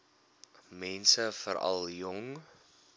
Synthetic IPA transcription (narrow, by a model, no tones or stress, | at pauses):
mɛnsəfəɾɐ̰lˠjɔŋ